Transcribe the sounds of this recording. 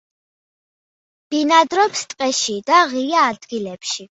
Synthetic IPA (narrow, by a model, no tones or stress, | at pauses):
b̥inad̪ɾɔpst̪ʼqʼɛʃid̪aʁiaːd̪ɡilɛpʃi